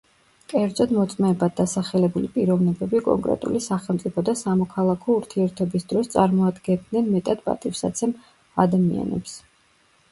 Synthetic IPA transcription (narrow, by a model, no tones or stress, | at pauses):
kʼɛɾd̪zɔd̪mɔt̪sʼmɛːbad̪̚d̪ːasaχɛlɛbulipʼiɾɔvnɛbɛbikʼɔ̰ŋkʼɾɛ̰t̪ʼṵlisaχɛlˠmt̪sʼipʰɔd̪asamɔkʰalˠakʰɔuɾt̪ʰiɛɾt̪ʰɔbisd̪ɾɔst̪sʼaɾmɔad̪ɡɛnd̪nɛnmɛt̪ʼad̪pʼa̰t̪ʼifsa̰t̪sʰɛm | ad̪amḭa̰nɛ̰ps